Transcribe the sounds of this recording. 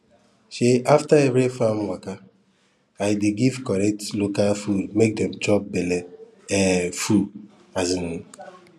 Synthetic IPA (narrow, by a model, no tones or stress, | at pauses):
ʃeaftaebɾefamwaka | ajdeɡivkɔɾɛk̚tlokalfudmek̚dɛmd͡ʒɔp̚bele | ɛfu | azini